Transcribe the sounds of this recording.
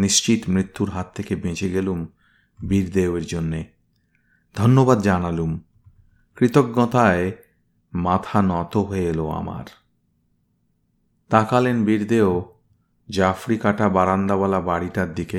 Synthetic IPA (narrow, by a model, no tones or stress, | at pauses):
niʃt͡ɕit̪mɾit̪ʰːuɾɦat̪ʰːekebẽd͡ʑeɡelum | biɾd̪eoeɾd͡ʑonːe | d̪ʱɔnːobad̪d͡ʑanalum | kɾit̪oɡːɔt̪ae | mat̪ʰanɔt̪oɦoeloa̰ma̰ɾ | t̪akalenbiɾd̪eo | d͡ʑafɾikaʈabaɾand̪aβalabaɽiʈaɾd̪ike